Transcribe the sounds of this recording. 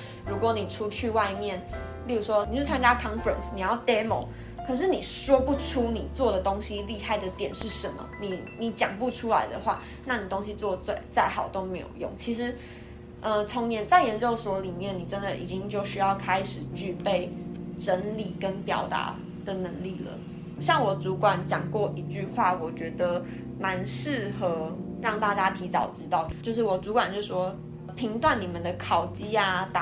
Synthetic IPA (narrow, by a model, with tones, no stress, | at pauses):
ɻu˧˥kwɔ˨˧˦ni˨˩ʈ͡ʂʰu˦t͡ɕʰy˥˧wa˥˧ɪmjɛ˥˨˩n | li˥˩ɻu˨˩ʂwɔ˦˥˨o˥˩t͡sʰa˥nt͡ɕja˥kʰɑ˥nfə̰˨nsni˨˩jɑ˥˩ʊt̪e˥mo̰˨˦ʊ | kʰɤ˨˩ʂ̬ɻ̩˥˩ni˨˩ʂwɔ˥pu˥˩ʈ͡ʂʰu˥ni˨˩t͡swɔ˥˩d̪ə˩t̪o˥ŋɕi˥li˥˧ha˥˩ɪd̪ə˩t̪jɛ˨˩nʂɻ̩˥˩ʂə˧˥nmə̰˧ni˨˩ni˨˥t͡ɕjɑ̰˨˩ŋpu˥˩ʈ͡ʂʰu˥la˧˥ɪd̪ə̰˨xwa̰˥˧ | na˥˩ni˨˩t̪o˥ŋɕi˧t͡swɔ˥˧t͡swe˥˩ɪt͡sa˥˩ɪxɑ˨˩ʊt̪o˥ʊme˧˥ɪjo̰˨˩ʊjo̰˥˩ŋt͡ɕʰi˧˥ʂ̬ɻ̩˧˦ | ʔə˧t͡sʰɔ˧˥ŋnjɛ˧˥nt͡sa˥˩ɪjɛ˧˥nt͡ɕjo˥˩ʊswɔ˧˥li˨˩mjɛ˥˩ni˨˩ʈ͡ʂə˦nd̪ə˨ʔḭ˨˩t͡ɕi˥ŋt͡ɕjo˥˩ʊɕy˥jɑ˥˩ʊkʰa˥ɪʂɻ̩˨˩t͡ɕy˥˧pe˥˩ɪʈ͡ʂə˧˥nli˨˩kə˦˥npjɑ̰˨˩ʊt̪a̰˧˥˦ | d̪ə˨nə˧˥ŋli˥˩lə̰˩ | ɕjɑ˥˩ŋwɔ˨˩t͡su˧˥kwa˨˩˦nt͡ɕjɑ˨˩ŋkwɔ˥˩ʔi˧˥t͡ɕy˥˧xwa˥˩wɔ˨˩t͡ɕɥɛ˧˥d̪ə˧ | ma˧˦nʂɻ̩˥˩xɤ˧˥˦ | ɻɑ˥˧ŋt̪a˥˧t͡ɕja˥t̪ʰi˧˥t͡sɑ˨˩ʊʈ͡ʂɻ̩˥t̪ɑ˥˩ʊt͡ɕjo˥˧t͡ɕjo˥˧ʊʂ̬̩˥˩wɔ˨˩t͡su˧˥kwa˨nt͡ɕjo˥˧˩ʂ̩˥˩ʂwɔ˥ | pʰi˧˥ŋt̪wa˥˩nni˨˩mə˨nd̪ə˧˩kʰɑ˨˩ʊt͡ɕi˥a˧t̪